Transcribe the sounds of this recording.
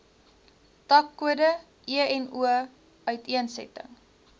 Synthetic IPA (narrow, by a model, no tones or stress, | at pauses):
tɐkːuədə | ʔiəɛnuə | œɥtiənsɛ̰tə̰ŋ